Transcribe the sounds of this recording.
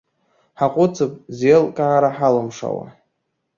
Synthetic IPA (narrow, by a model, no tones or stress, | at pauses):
ħaqʷʼʊt͡sʰɨpʼzelkʼaʕaɾaħalɨmʂa̰wa̰